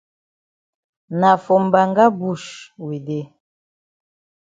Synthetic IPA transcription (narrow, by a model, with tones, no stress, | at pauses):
na˨fɔ˨m˨ba˨ŋɡa˦bu˦˨ʃwe˨de˦